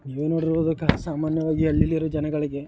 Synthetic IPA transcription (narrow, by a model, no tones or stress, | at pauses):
niːʋeːnoːɽiɾʋoːd̪ɐkːɐsaːmaːnjɐʋaːɡiɐlːilːiɾod͡ʒɐnɐɡɐɭiɡe̞